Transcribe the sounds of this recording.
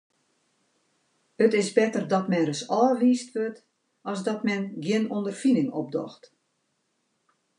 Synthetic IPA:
hətɪsbɛtərdɔtmɛnrəsɔːʋiːstʋøt | ɔsdɔtmɛnɡjɪənondərfinɪŋɔ̰b̚dɔ̰xt

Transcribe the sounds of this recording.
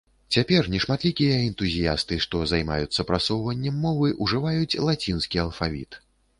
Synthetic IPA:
t͡sʲapʲɛrnʲɛʂmat̪lʲikʲijɐɛnt̪uzʲija̰st̪ɨʂt̪ɔzajma̰jut̪sːɐpɾasɔwvɐnʲːɛmːɔvɨʔuʐɨvajut͡sʲlˠat͡sʲinskʲiɐlˠfavʲḭt̪

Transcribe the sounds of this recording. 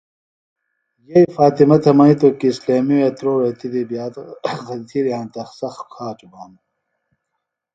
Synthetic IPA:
jɐifaːt̪imɐt̪ʰɐmɐit̪okisleːmiweːt̪ɾoːɾet̪id̪ibjaːt̪xɐt̪ʰiːɾjaːnt̪ɐxsɐxkʰaːt͡ʃubaːn

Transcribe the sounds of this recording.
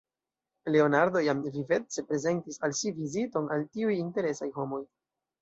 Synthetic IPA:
le̞o̞naɾdo̞jamvive̞t͡se̞pɾe̞ze̞ntisalʃivizito̞naltiujinte̞ɾe̞sajɦo̞mo̞j

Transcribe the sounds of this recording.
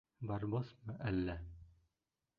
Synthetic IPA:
bɑɾboθmɤʔælːæ

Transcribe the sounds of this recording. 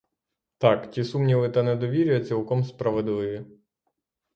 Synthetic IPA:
t̪ɑktʲisumnʲilɪt̪ɐnɛd̪ɔʋʲiɾʲʊjɐt͡sʲilˠkɔmspɾɐʋɔd̪ɪlɪʋʲi

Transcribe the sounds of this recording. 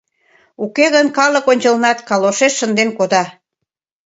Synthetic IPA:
ukeɣənkɑlə̆konʲt͡ɕəlnɑt̪kɑloʃeʃːənd̪enkod̪ɑ

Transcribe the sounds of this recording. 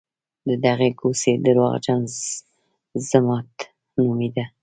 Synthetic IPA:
d̪əd̪aɣeɡosed̪əɾwɑ̰ɣd͡ʒanz | zamɑt̪ | numid̪a

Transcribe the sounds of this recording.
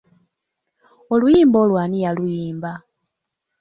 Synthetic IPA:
olujiːmboːlwaːnijalujiːmba

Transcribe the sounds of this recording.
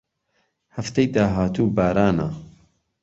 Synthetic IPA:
hɐft̪ɐjd̪aːɦaːt̪uːbaːɾaːna

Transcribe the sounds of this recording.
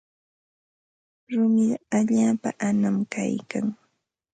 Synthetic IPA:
ɾʊmɪɢaʎaːpaʔanamka̰jkaŋ

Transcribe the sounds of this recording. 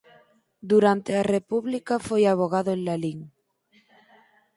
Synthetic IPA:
d̪uɾant̪earepuβlikafojaβ̞oɣaðoenlaliŋ

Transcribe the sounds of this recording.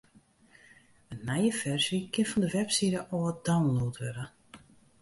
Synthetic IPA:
ənːɛjəfɛrsikʰɪnfɔndəʋɛpsiɾəʔɔəd̥awnloːtʰʋɛɾə

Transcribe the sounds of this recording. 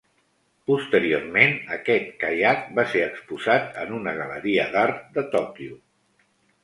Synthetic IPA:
pust̪əɾiormenəkɛt̪̚kajat̪̚baseɾəkspuzat̪ənunəɣələɾiəðaɾt̪d̪ət̪ɔkju

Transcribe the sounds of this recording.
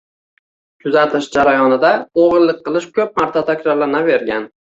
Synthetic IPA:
t̪ʰʊzat̪ʰɪʃd͡ʒaɾajɒnɪd̪aoʁɨlːˠɪq̚qːɨlˠɪʃkʰɵp̚maɾt̪ʰat̪ʰakʲɾaɾlanave̞ɾɡʲan

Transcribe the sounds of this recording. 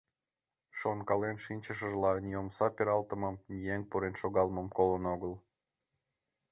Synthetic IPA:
ʃonkɑlenʃinʲt͡ɕəʃəʒlɑnjomsɑpʲeɾɑlt̪əmə̆mnʲijeŋpuɾenʃoɣɑlməmkolənoɣəl

